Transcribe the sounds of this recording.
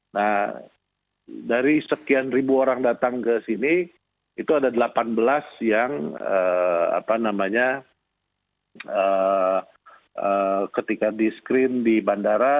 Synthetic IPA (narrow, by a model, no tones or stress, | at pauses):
nah | daɾisəkianribuoɾaŋdat̪aŋkəsini | it̪uadadəlapanbəlasjaŋəa̰panamaɲa | ə | əkət̪ikadiskɾɪndibandaɾa